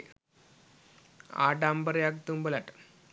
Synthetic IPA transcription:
a̰ːʈaːmbɐɾjak̚t̪ːumbɐlaʈ

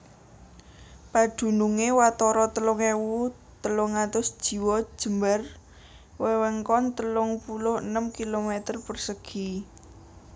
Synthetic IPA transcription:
pad̪̥ṳnuŋewat̪ɔɾɔt̪əlʊŋewu | t̪əlʊŋːat̪ʊsd̥ʒ̥i̤wɔ̥ʒ̥ə̤mbər | wewɛŋkɔnt̪əlʊŋpulʊhənəmkilomet̪ərpərsəɡ̥i

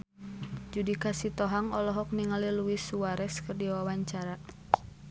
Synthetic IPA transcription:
d͡ʒudikasit̪ɔɦaŋɔlɔɦɔk̚niŋaliluwisuwaɾɛskɨrdiwawaɲt͡ʃaɾa

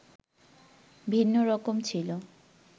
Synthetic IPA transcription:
bʱinːoɾɔkomt͡ɕʰilo

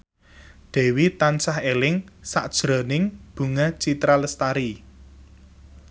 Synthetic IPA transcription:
ɖ̪̥ɛ̤wit̪ansahelɪŋsaʔd̥ʒ̥ɾɔ̤nɪŋb̥ṳŋat͡ʃit̪ɾaləst̪aɾi

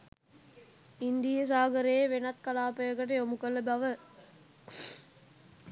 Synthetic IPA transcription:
ind̪ijəs̬aːɡəɾeeʋenɐt̪kɐlaːpəjəɡəʈ̬əjomukəlɐbɐʋə

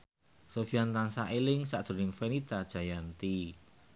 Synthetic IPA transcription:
sofiant̪ansaʔelɪŋsaʔd̪̥ɾo̤nɪŋfenit̪ad̥ʒ̥a̤jant̪i

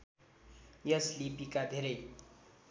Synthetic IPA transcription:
jʌslipikad̪ʱeɾʌj

